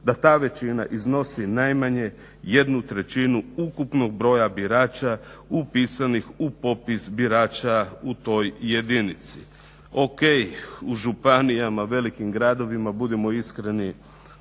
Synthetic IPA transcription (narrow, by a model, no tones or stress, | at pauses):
d̪at̪aːʋe̞t͡ʃina̰ʔizno̞sinajmaɲe̞ | je̞d̪nut̪ɾe̞t͡ʃinuukupno̞ɡ̚bɾo̞ːjabiɾaːt͡ʃaupisanixupo̞pisbiɾaːt͡ʃaut̪o̞jːe̞d̪init̪sḭ | o̞kejuʒupanijamaʋe̞likimɡɾaːd̪o̞ʋimabud̪emo̞iskɾeni